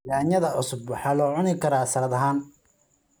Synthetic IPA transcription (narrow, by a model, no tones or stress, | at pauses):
laːnjɐðɐʕʊsʊbwɑħɑːlɔːʕʊnɪkʰɐɾaːsɐɾɐðɐɦaːn